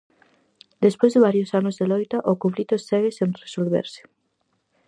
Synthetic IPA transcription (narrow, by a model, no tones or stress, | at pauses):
d̪espojzðɪβaɾjosanozðelojt̪aʔokõflit̪osɛɣesẽnresolβḛɾse̥